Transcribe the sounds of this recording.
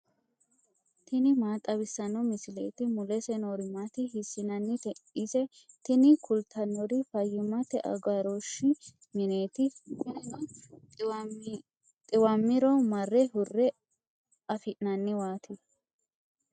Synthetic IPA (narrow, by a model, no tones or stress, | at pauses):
t̪ɪnɪmaːt̪ʼːɐβɪsːɐnːɔmɪsɪlḛːt̪ɪmʊlɛsɛnoɾɪmat̪ɪɦɪsːɪnɐnːɪt̪ɛʔɪsɛ | t̪ɪnɪkʰʊlt̪ʰɐnːɔɾɪfɐjːɪmɐt̪ɛʔɐ̰ɡɐɾoʃːɪ | mɪne̞ːt̪ɪɪn | t̪ʼɪwɐmːɪɾɔmɐrːɛhʊrːɛ | ʔɐfɪʔnɐnːɪwaːt̪ɪ